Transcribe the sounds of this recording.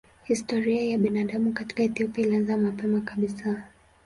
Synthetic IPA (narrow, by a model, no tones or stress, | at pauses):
histɔɾiajaɓinaɗamukati̥kaɛθiɔpiailianzamapɛmakaɓisa